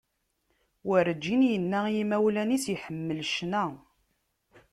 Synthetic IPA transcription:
wəɾəd͡ʒːinjənːæjimæwlænisjiħəmːəlʃnæ

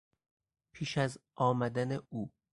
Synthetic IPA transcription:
pʰiːʃæzʔɒːmæd̪æneuː

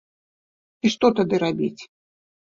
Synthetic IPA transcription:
iʂt̪ɔt̪ad̪ɨɾabʲḭt͡sʲ

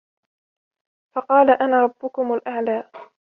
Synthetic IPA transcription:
fɑqɑːlaʔanaːɾˤɑbːʊkʊmalʔaʕlaː

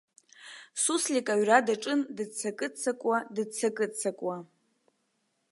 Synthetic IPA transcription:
suslʲikʼaɥradaʈ͡ʂʼɨndɨt͡sʰakʼɨt͡sʰakʷʼwadɨt͡sʰakʼɨt͡sʰakʷʼwa

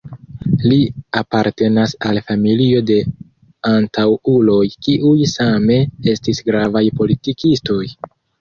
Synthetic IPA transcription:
liapaɾte̞nasalfamilio̞de̞ | antʰawulo̞jkiʔujsame̞e̞stisɡɾavajpo̞litikisto̞j

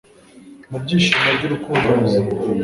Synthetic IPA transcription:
nubɟiːʃimabɟuɾukuːnduu

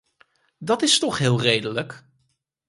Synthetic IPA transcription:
dɑtɪstɔχɦɪːlˠrejdələk

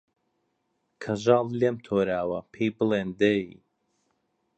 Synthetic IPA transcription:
kʰɐʒɑːlˠleːmt̪ʰoːɾaːwɐpʰiːbɨleːnd̪eḭ

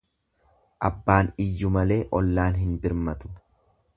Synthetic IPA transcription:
ʔɐbːaːnɪjːʊmɐle̞ːʔɔlːaːnɦɪnbɪɾmɐt̪ʊ̥

